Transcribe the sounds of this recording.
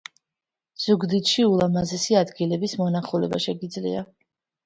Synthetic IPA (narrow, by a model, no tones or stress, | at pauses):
z̥uɡd̪it̪ʃiulˠamazɛsiad̪ɡilɛbismɔnaχulɛ̰ba̰ʃɛɡid̪zlḭa